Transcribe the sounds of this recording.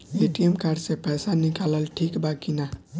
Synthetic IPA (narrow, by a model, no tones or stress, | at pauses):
eʈiemkaɾsepɛsanikaləlʈʰikbakina